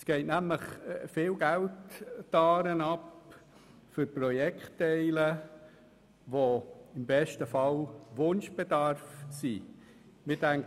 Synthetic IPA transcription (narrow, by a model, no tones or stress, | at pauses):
sɡ̥ɛɪtnæmləχfɪːlɡæltːɑːɾənɑp | fʏɾprɔjɛkχtːɛɪlə | ʋoɪmbɛʃtəfɑlʋʊnʃb̥edɑɾfsḭ | mɪdæŋ